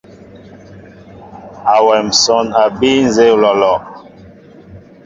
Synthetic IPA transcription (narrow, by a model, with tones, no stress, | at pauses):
a˨wɛ˨m̩˨sɔ˦na˨bi˦n˨ze˦˨lɔ˨lɔ˨